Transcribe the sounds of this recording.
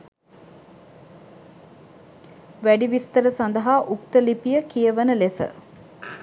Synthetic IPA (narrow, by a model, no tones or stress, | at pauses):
ʋæɖiʋist̪əɾəsand̪əɦaʔukt̪əlipijəkijəʋənəlesə̰